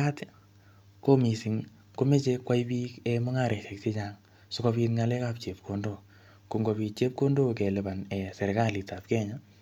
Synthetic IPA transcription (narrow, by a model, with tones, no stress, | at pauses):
a˦t | ko˦mi˨sɪ˨ŋ | ko˦me˦t͡ʃe˦kːwa˦i˦biː˦ke˦mʊ˦ŋa˦˨ɾe˨ʃe˨k̚tɪ˦t͡ʃaŋ | sʊ˦ko˧pi˧tŋa˦lɛ˦ka˦p̚t͡ʃe˨p̚kʰo˨ndo˦˨ | ku˨ŋɡo˨pi˨t̚t͡ʃe˦p̚ko˦ndo˦ke˨lɪ˨ba˨nɛ˨sɛ˨ɾka˦li˨ta˨p̚kɛː˦ɲa˦